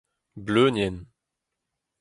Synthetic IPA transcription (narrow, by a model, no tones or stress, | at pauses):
bløːnjɛn